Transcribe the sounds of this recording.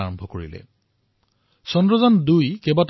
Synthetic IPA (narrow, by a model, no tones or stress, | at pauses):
aɹɔmbʱɔkoɹḭlɛ̰ | sɔndɹɔzandujkebat